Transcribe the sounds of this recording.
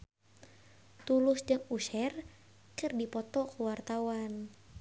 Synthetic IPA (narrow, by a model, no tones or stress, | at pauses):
t̪ulʊsd͡ʒəŋuʃɛr | kɨrdipɔt̪ɔkuwart̪awan